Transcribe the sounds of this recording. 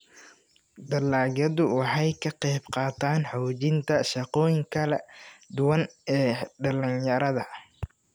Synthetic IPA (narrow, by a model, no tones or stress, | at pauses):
d̪ɐlaːɣɐðʊwɑħɑjkʰɐqɛjbqɑːt̪ʰaːnħɔːt͡ʃɪnt̪ʰɐʃɐqɔːjɪŋkʰɐlɐd̪ʊwɐnɛːɖɐlɪnjɐɾɐðɐ